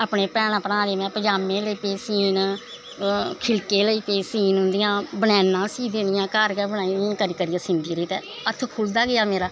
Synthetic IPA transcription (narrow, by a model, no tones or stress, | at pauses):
aːpɳeːpɛːɽ̃ãːpəɾãːɾeːmɛ̃ːpəd͡ʒaːmẽːləiːpeːsiːn | kʰɪlkeːləiːpeːsiːnɦʊ̃nd̪ɪjãːbəɽɛːnːãːsiːd̪eːnɪjãːkaːɾkɛːbəɽ̃aːiːiːnkəɾiːkəɾijaːsĩːnd̪iːɾəːt̪ɛ̰ː | ət̪ʰkʰʊld̪aːɡɪaːmeːɾaː